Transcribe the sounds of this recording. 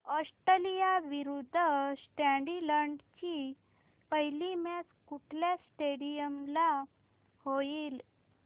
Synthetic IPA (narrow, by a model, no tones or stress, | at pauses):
ɔsʈəlijaʋiɾud̪ʱːsʈãɳɖiləɳɖt͡ɕi | pəɦilimat͡skuʈʰljasʈeɽijəmla | hojiːl